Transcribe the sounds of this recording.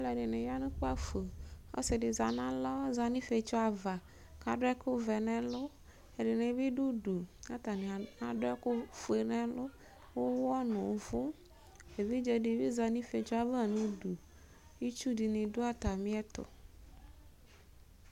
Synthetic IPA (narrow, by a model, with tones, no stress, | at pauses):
a˦lɛ˨ɖe˨ne˨ja˦nũ˦k͡po˦a˦fe˨o̰˦se˨ɖe˨za˨nã˦lɔ˦za˨nĩ˦fe˨t͡ʃɔ˦a˨va˨ | ka˨ɖʊ˦ɛ˦kʊ˦vɛ˨nɛ̃˨lʊ˦ | e˨ɖe˨nẽ˨˦bi˦ɖu˦ɖu˨a˦t̪a˨nẽ˨ã˨ɖʊ˦ɛ˦kʊ˦fu˨e˨nɛ̃˨lʊ˦ | wo˦wɔ˦nʊ̃˨˦vʊ˦ | e˨vi˦d͡ʒɛ˨ɖe˨vi˦za˨nĩ˦fe˨t͡ʃɔ˦a˨vɛ˦a˨nũ˦du˨ | ji˦t͡ʃu˦di˨nẽ˨do˦a˦t̪a˨mĩ˦ɛ˦t̪ʊ̰˨